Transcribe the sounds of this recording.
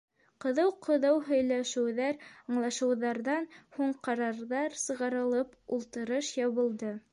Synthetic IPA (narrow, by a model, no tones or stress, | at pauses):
qŏðɤwqŏðɤwɦɵ̆jlæʃɘ̆wðæɾɑɴlˠɑʃɤ̆wðɑɾðɑnhuɴqɑɾɑɾðɑɾsɤ̆ʁɑɾɤ̆lˠɤpulˠt̪ɤ̆ɾɤʃjɑβɤ̆lˠd̪ɤ